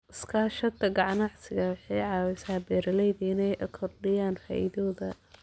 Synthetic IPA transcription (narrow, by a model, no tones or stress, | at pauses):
ʔɪskʰaːʃɐd̪ɐɡɑʕnɑʕsɪɣɐwɑħɑjʕɑːwɛsaːbɛːɾɐlɛjðiɪnɛjʔɐkʰɔrɖɪjaːnfa̰ːʔɪ̰ðɔːðɐ